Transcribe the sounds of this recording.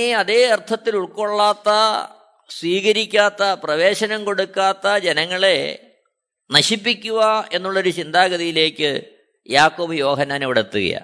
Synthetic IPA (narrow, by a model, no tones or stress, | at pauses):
eɐðe̞ːɐrt̪ʰɐt̪ːiluɭko̞ɭːaːt̪ːɐ | sʋiːɣɐɾikʲːaːt̪ːɐprɐʋe̞ːɕɐnɐmko̞ɽukːaːt̪ːɐd͡ʑe̞nɐŋːɐɭe̞ | nɐɕipːikʲːuɣɐe̞nːuɭːo̞ɾut͡ɕind̪aːɣɐðijile̞ːkːɨ | jaːkːo̞ːbɨjo̞ːɦɐnːaːneʋiɽet̪ːuɣɐ̰ja̰